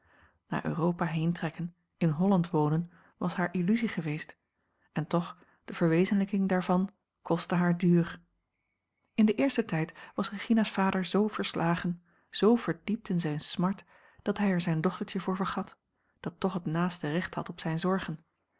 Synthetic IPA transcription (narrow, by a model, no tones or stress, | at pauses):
na̰ːʔø̰ːrowpaɦejntrɛkən | ɪnɦɔlɑntʋownən | ʋɑsɦaːɹʔilyziχəʋejst | ɛntɔχ | d̥əv̥əɹʋejzənləkɪŋdaːɹvɑn | kʰɔstəɦaːɹdyːr | ɪndəʔɪːɹstətɛjtʋɑsreχinasfaːdəɹzowv̥əɹslʔaːχən | z̥owv̥əɹdip̚tɪnzɛjnsmɑɹt | d̥ɑtɦɛjɛɹzɛjndɔχtəɹtəvʊːɹvəɹχɑt | d̥ɑtːɔχətnaːstərɛχthɑ̰tɔpsɛjnzɔɹχən